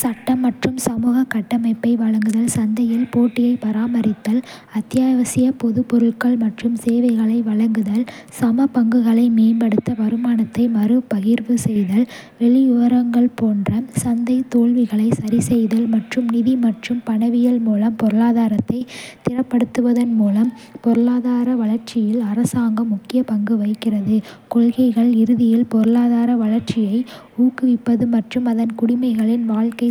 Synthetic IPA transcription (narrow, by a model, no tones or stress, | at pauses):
sɐʈːɐmːɐʈrɯmsɐmuːɣɐkːɐʈːɐmɐɪpːɐɪʋɐɻɐŋɡɯðɐlsɐnd̪ɐjɪlpoːʈːɪjɐɪpɐɾaːmɐɾɪt̪ːɐl | ɐt̪ːjaːʋɐsɪjɐpɔðɯpɔɾɯɭkɐɭmɐʈrɯmseːʋɐɪɣɐɭɐɪʋɐɭɐŋɡɯðɐlsɐmɐpɐŋɡɯɣɐɭɐɪmeːmbɐɽɯt̪ːɐʋɐɾɯmaːnɐt̪ːɐɪmɐɾɯpɐɣɪɾʋɯsɛjðɐl | ʋɛɭɪjʊʋɐɾɐŋɡɐɭpoːndrɐsɐnd̪ɐɪt̪oːɭʋɪɣɐɭɐɪsɐɾisɛjðɐlmɐʈrɯmnɪðimɐʈrɯmpɐɳɐʋɪjɐlmuːlɐmpɔɾɯɭaːðaːɾɐt̪ːɐɪt̪ɪrɐpːɐɽɯt̪ːɯʋɐðɐnmuːlɐm | pɔɾɯɭaːðaːɾɐʋɐɭɐɾt͡ʃɪjɪlɐɾɐsaːŋɡɐmʊkːɪjɐpɐŋɡɯʋɐɪkːɪrɐðɯkɔɭɣɐɪɣɐɭɪɾɯðɪjɪlpɔɾɯɭaːðaːɾɐʋɐɭɐɾt͡ʃɪjɐɪ | uːkɯʋɪpːɐðɯmɐʈrɯmɐðɐnkʊɽɪmɐɪɣɐɭɪnʋaːɭkɐɪ